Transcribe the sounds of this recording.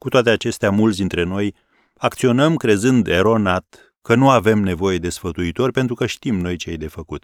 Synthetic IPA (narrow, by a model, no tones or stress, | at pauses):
kut̪oat̪e̞at͡ʃe̞st̪eamult̪sd̪int̪ɾe̞no̞j | akt̪sio̞nəmkɾe̞zɨnd̪eɾo̞nat̪ | kənuave̞mne̞vo̞je̞d̪e̞sfət̪uit̪o̞rʲpe̞nt̪ɾukəʃt̪imno̞jt͡ʃeejd̪e̞fəkut̪